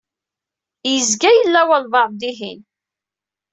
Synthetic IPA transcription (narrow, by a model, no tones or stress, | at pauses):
jəzɡæjəlːæwælvɑɾˤd̪iɦḭn